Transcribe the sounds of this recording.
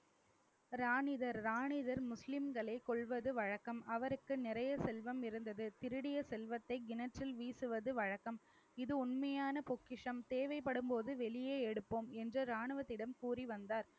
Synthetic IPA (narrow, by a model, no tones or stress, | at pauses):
ɾaːɳɪðɐɾɾaːɳɪðɐɾmʊslɪmɡɐɭɐɪkːɔɭʋɐðɯʋɐɻɐkːɐmɐʋɐɾɯkːɯnɪɾɐjɐsɛlʋɐmɪɾɯnd̪ɐðɯt̪ɪɾɯɽɪjɐsɛlʋɐt̪ːɐɪɡɪnɐʈrɪlʋiːsɯʋɐðɯʋɐɻɐkːɐm | ɪðɯʊnmɐjaːnɐpɔkːɪʂɐmt̪eːʋɐɪpːɐɽɯmpoːðɯʋɛɭɪjeːɛɽɯpːoːmɛndrɐɾaːɳɯʋɐt̪ːɪɽɐmkuːriʋɐnd̪aːɾ